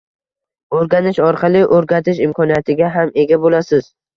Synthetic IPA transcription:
oɾɡʲanɪʃɒɾqʰɑlˠɪʔoɾɡʲat̪ʰɪʃɪmkʰɒnijat̪ʰɪɡʲaɦame̞ɡʲabolasɪz̥

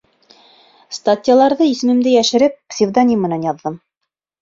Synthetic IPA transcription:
st̪atʲijalˠɑɾðɤisɘ̆mɘ̆md̪ɘjæʃɘ̆ɾɘp̚psʲɪvd̪anʲimmɘ̆nænjɑðːɤm

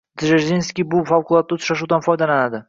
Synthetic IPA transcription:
d̪ʒeɾzenskʲijbʊfawqʰʊlˠɒt̪̚ːaʊt̪ʰʃaʃuwd̪anfɒjd̪alanad̪ɪ

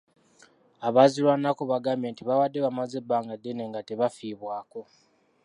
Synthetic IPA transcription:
aβazilwanakoβaɡaːmjentiβawadːe̞βamaze̞baːŋɡadːene̞ŋɡateβafiːβwaːko̞

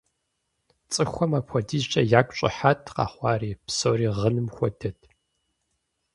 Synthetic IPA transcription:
t͡sʼɨxʷɔmaːpʷʰɔdiːzt͡ʃʼɐjaːkʷʼɕʼɪ̰ħatʰqɑ̰ːχʷɑːriːpsoːriːʁənɨmxʷɔdʰɐtʰ

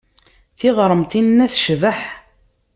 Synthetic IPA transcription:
θiʁɾˤəmt̪inːæθʃvəħ

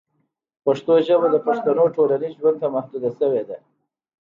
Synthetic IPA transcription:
paʂt̪oʒəbad̪əpaʂt̪anoʈolaniʒwand̪t̪amahd̪ud̪aʃəwed̪a

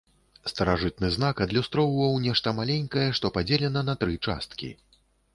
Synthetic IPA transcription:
st̪ɐɾaʐɨt̪̚nɨznakɐd̪lʲust̪ɾɔwvɐwnʲɛʂt̪ɐmalʲɛnʲkɐjɛʂt̪ɔpad͡zʲɛlʲɛnɐnɐt̪ɾɨt͡ʂa̰st̪kʲḭ

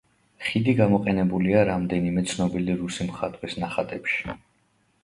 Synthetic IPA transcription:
χid̪iɡamɔqʼɛnɛbuliaɾamd̪ɛnimɛt̪sʰnɔbiliɾusimχat̪ʼwisnaχat̪ʼɛpʃi̥

